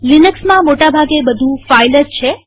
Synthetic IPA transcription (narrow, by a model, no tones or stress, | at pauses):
linəksmãmoʈabʱaɡebəd̪ʱũfaijlət̪t͡ʃʰe